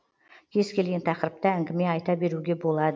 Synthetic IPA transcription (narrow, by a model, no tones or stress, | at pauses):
kʲʰe̞zkʲʰe̞lɡʲe̞nt̪ʰɑqɾəp̚t̪əæŋɡʲɪme̞ɑjt̪ɑbe̞ɾuɡʲe̞bo̞lˠɑd̪ə